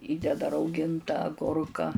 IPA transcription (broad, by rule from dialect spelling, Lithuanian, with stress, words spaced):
ˈiːdʲɛdɐ rɐʊˈɡʲɪntɐ ɐˈɡʊrkɐ